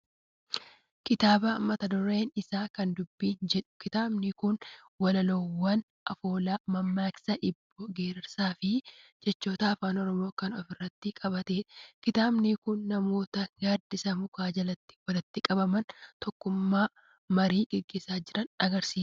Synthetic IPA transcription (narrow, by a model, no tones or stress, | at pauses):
kɪt̪aːbɐmːɐt̪ɐd̪ɔɾeːnɪsaːkɐnd̪ʊbːiːnd͡ʒɛᶑʊ̥kɪt̪aːbnɪkʊn | wɐlɐlɔwːɐn | ʔɐfo̞ːlaːmɐmːaːksɐʔɪbːɔɡe̞ːɾɪɾsaːfɪd͡ʒɛt͡ʃːo̞ːt̪ɐːfaːnɔɾɔmo̞ːkɐnɔ̰fɪrːɐt̪ːɪkʼɐbɐt̪eːᶑɐkɪt̪aːbnɪkʊnːɐmo̞ːt̪ɐjaːd̪ɪsɐmʊkaːd͡ʒɐlɐt̪ːɪ̥wɐlɐt̪ːɪkʼɐbɐmɐnt̪ɔkːʊmːaː | mɐɾiːɡɛɡːe̞ːsaːd͡ʒɪɾɐnɐɡɐɾsiːs